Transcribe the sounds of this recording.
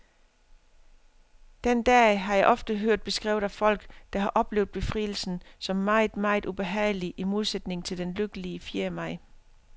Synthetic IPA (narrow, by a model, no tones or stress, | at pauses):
d̥end̥ɛːɦɑ̈jɑ̈ɪʔɒ̽fd̥əɦøɐ̰d̥̚b̥e̝sɡ̥ʁɛ̰ːʊ̰ðˠæfɒ̽l̰ɡ̥d̥ɑ̈ɦɑ̈ʔɒ̽b̥le̝ːʊð̥ˠb̥e̝fʁḭːl̩sn̩sɒ̽mːɑ̈ɪðˠmɑ̈ɪðˠub̥e̝ɦɛ̰ːɪliʔimo̝ð̞ˠsed̥ne̝ŋt͡sʰe̝ld̥enløɡ̥əliəfiɐmɑ̈ɪ̰